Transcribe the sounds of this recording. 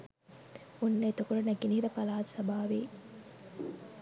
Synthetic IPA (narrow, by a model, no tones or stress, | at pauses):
unːɐjt̪okulɐnɐɡiniiɾɐpɐlaːt̪sɐbaːʋi